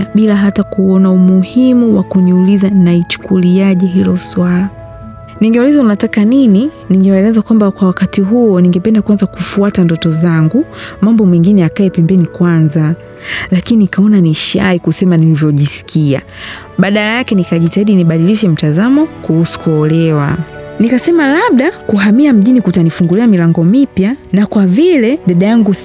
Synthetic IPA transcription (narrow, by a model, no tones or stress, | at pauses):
ɓilaɦatakuɔnaumuhimuwakuniulizanait͡ʃu̥kuliaʄɛɦilɔswala | niŋɡɛulizaunatakanini | niŋɡɛwaɛlɛzakwambakwawakatiɦuɔniŋɡɛpɛndakuanzakufuatandɔtɔzaŋɡumambɔmɛŋɡinɛakaɛpɛmbɛnikwanza | lakininikaɔnaniʃaikusɛmanilivjɔʄisi̥kʰia̰ | ɓaɗalajakɛnikaʄitaiɗiniɓaɗiliʃɛm̩tazamɔkuhusu̥kuɔlɛwa̰nikasɛmalaɓ̚ɗakuɦamiam̩ʄinikutanifuŋɡuliamilaŋɡɔmipjanakwavilɛɗaɗajaŋɡu